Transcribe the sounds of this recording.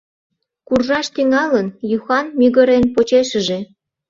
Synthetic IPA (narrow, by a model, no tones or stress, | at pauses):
kurʒɑʃt̪yŋɑlənjuxɑnmyɣəɾenpot͡ɕeʃəʒe